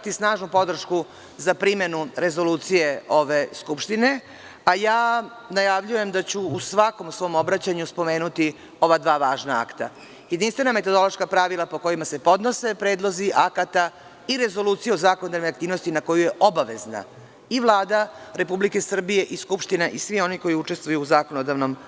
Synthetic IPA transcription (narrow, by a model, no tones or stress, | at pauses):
t̪isnaːʒnupo̞d̪r̩ʃku | zapɾime̞nuɾe̞zo̞luːt̪sije̞o̞ʋe̞skupʃt̪ine̞ | ajaː | najaʋʎuje̞md̪at͡ɕuːsʋako̞musʋo̞ːmo̞bɾat͡ɕaɲuspo̞me̞ːnut̪i | o̞ʋad̪ʋaːʋaːʒnaa̰kt̪a̰ | jed̪inst̪ʋe̞name̞t̪o̞d̪o̞lˠo̞ʃkapɾaʋilˠapo̞ko̞jimase̞po̞d̪no̞se̞pɾeːd̪lˠo̞ziʔakat̪a | iɾe̞zo̞luːt̪sijeozaːkonod̪avnojakt̪iːʋno̞st̪inako̞jujeʔobaʋe̞zna̰ | ivlˠaːd̪aɾe̞publike̞sr̩bije̞ʔiskupʃt̪ineʔisʋio̞niko̞jiut͡ʂe̞st̪ʋujuːzaːkonod̪aʋno̞m